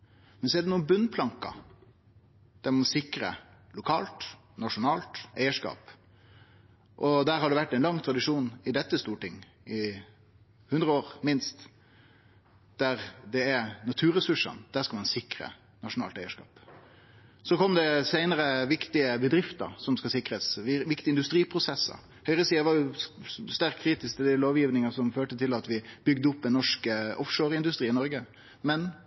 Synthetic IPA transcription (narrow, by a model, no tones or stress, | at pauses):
mɛnsɔɛɖ̪ɛnuːənbʉnpʰlɑŋkɑ̰ | d̪̥æɾmɑnsɪkɾə̰lʊkʰɑːlt̪ | nɑʂʊnɑːlt̪æɪəʂkɑ̰ːp | ʔɔd̪æːɾhɑɖɛʋæʈːɛɪnlɑŋːt̪ʰɾɑd̪ɪʂuːnɪd̪ɛt̪ːəst̪uːʈɪŋː | ɪ | hʉnd̪ɾəoːɾmɪnst̪ | d̪̥æɾd̪ɛɛnɑt̪ʰʉːɾɛsʉʂə̰nd̪̥æːʂkɑlmɑnsɪkɾə̰ | nɑʂʊnɑ̰ːlt̪æɪəʂkɑ̰ːp | sɔkʰɔmd̪ɛsæɪnəɾəʋɪkt̪ɪəbəd̪ɾɪft̪ə̰ɾsɔmskɑsɪkɾəsʋɪkt̪ɪəɪnd̪ʉst̪ɾiːpʰɾʊsɛsːə̰ | hœʏʁəsiːəʋɑɾjʊst̪æɾkʰːɾiːt̪ɪskt̪ɪd̪ɪloːʋjiːʋnɪŋɑsɔmføːʈət̪ʰɪlɑt̪ʋɪb̥ʏɡd̪əʊpːɛnːɔʂkəʔɔfʂoːɾɪnd̪ʉst̪ʁiːnɪnɔɾɡə | mɛn